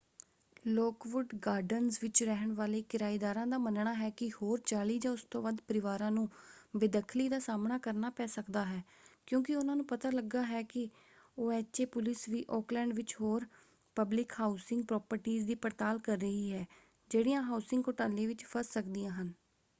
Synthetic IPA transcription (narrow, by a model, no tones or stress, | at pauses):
lɔːkʋʊɖɡaːɾɖənzʋɪt͡ʃɾɛɦəɳʋaːleːkɪɾaːid̪aːɾãːd̪aːmənɳaːɦɛːkɪhoːɾt͡ʃaːliːd͡ʒãːʊst̪õːʋaːd̪pəɾɪʋaːɾãːnũːbɪd̪əkʰliːd̪aːsaːmnaːkəɾnaːpɛːsəkd̪aːɦɛː | kjõːkɪʊnãːnũːpət̪aːləɡːaːɦɛːkɪ | oːɛːt͡ʃeːpʊlɪsʋiːʔɔːklɛ̃ːɳɖʋɪt͡ʃɦoːɾ | pəblɪkhaːʊsɪŋɡ̚pɾɔːpəɾʈiːzd̪iːpəɾt̪aːlkəɾːəɦiːɦɛː | d͡ʒeːɽiːãːɦaːusɪŋɡoʈaːlẽːʋɪt͡ʃpʰəssəkd̪ijãːɦən